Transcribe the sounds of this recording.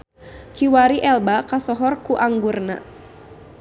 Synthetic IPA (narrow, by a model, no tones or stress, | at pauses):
kiwaɾiʔɛlbakasɔɦɔrkuʔaŋɡurna̰